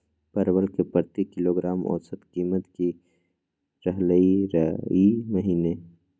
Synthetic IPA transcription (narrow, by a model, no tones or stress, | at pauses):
pɐɾwəlkepəɾt̪ikɪloːɡɾaːmʔɔ̰ːɾsɐt̪kiːmət̪ki | ɾəɦləiɾiməɦiːne